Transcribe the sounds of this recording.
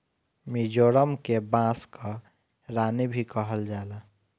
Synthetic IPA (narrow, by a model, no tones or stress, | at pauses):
mid͡ʒoːɾəmkebãskə | ɾaːnibʱikəɦəld͡ʒaːla